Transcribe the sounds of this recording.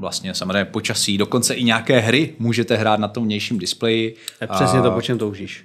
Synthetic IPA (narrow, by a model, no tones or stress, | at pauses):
vla̰st̪ɲɛsamozreɛjɲːɛpo̞t͡ʃasiːdo̞ko̞nt͡sɛʔɪɲaːkɛːɦɾɪmuːʒɛt̪ɛɦɾaːt̪nat̪omvɲɛjʃiːmdɪsplɛjɪɛsɛsɲɛt̪opot͡ʃɛmt̪owʒiːʃ